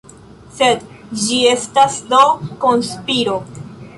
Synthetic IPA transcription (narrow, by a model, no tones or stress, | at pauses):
se̞d | d͡ʒie̞stasdo̞ko̞nspiɾo̞